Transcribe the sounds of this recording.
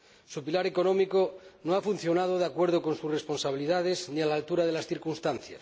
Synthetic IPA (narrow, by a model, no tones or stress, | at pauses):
supilaɾe̞ko̞nõ̞mikonoafun̟θjo̞nað̞oð̞eakwe̞ɾð̞oko̞nsure̞spo̞nsaβ̞iliðað̞e̞znialaːlt̪uɾaðe̞lasθiɾkunst̪anθja̰s